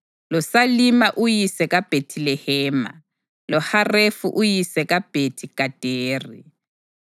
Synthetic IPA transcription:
lɔsalimaʔujisɛkʼab̥ʱetʰilɛhɛːma̰ | lɔharefṵʔujisɛkʼab̥ʱetʰikʼad̥ʱeːri

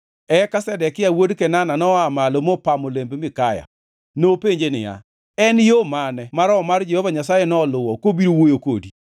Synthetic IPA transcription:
ɛkasɛdɛkɪawodkɛnananɔamalomopamolembmɪkaja̰ | nopeɲd͡ʒenɪ̰ja̰ | ɛnjomanɛmaɾɔmard͡ʒɛhovaɲasajɛnɔlʊwɔkobiɾowojoko̰di

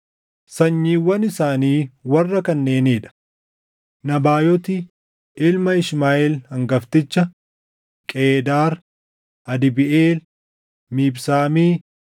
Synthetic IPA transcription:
sɐɲːiːwɐnɪsaːniːwɐrːɐkɐnːe̞ːneːᶑɐ̥ | nɐbaːjɔt̪ɪ | ʔɪlmɐɪʃmaːʔɪlhɐŋɡɐft̪ɪt͡ʃːɐ | kʼeːd̪aːɾ | ɐd̪ɪbɪʔeːl | miːbsaːmiː

